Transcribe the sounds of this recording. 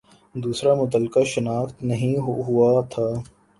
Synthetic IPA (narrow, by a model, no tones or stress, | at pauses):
d̪uːsɾamʊt̪əlkaʃənaːxt̪nɐɦĩɦʊat̪ʰaː